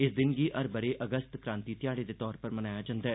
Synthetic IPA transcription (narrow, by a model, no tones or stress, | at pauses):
ɪsd̪ɪnɡiʔɐɾbɐɾeʔɐɡəst̪kɾãːnt̪it̪ɪjaːɽed̪et̪ɔːɾpəɾmɐnaːjad͡ʒɐ̃nd̪aɛː